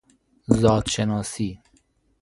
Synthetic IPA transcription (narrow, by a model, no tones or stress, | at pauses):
zɔːd̪ʃenɔːsiː